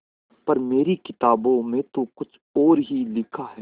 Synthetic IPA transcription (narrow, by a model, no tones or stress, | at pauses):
pɐɾmeːɾikɪt̪aːbõmẽt̪ukʊt͡ʃʰ | ɔːɾɦilɪkʰaɦɛː